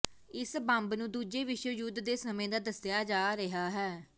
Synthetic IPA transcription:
ɪsbãmbnũːd̪uːd͡ʒeːʋɪʃwəjuːd̪ːeːsəmẽːd̪aːd̪əsjaːd͡ʒaːɾɪɦaːɦɛː

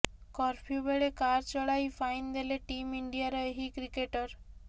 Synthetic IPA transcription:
kɔɾpʰijubeɭekaɾt͡ʃɔɭajfajnd̪eleʈimiɳɖijaɾɔeɦikɾikeʈɔɾ

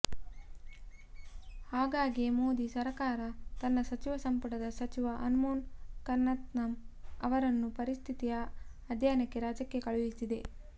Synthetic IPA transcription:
haːɡaːɡemoːd̪isɐɾkaːɾɐt̪ɐnːɐsɐt͡ʃiʋɐsɐmpɐʈɐd̪ɐsɐt͡ʃiʋɐʔɐnmoːnkɐɾnːɐt̪nɐmɐʋɐɾɐnːupɐɾist̪ʰit̪ijɐɐd̪ʱjaːjɐnɐkːe̞ɾaːd͡ʒɐkːe̞kɐɭuʋisid̪e̞

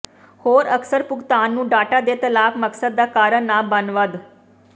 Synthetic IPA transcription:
hoːɾəksəɾpʊɡt̪aːnːũːɖaːʈad̪eːt̪əlaːkməksəd̪ːaːkaːɾənaːbənʋəd̪

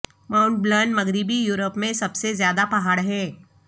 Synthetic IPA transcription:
maːʊ̃ɳʈ̚blənmɐɡɾɪbijuːɾəpmẽsɐbsezjaːd̪apɐɦaːɽɦɛː

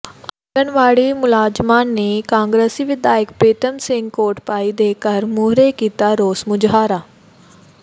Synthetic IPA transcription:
ɐɡənʋaːɽimʊlaːd͡ʒmaːnːeːkãːŋɡɾesiʋɪd̪aːjɪəkpɾeːt̪əmsɪ̃ŋɡkoːɾʈpaːid̪eːkəɾmuːɾekiːt̪aːɾoːsmʊd͡ʒɦaːɾaː

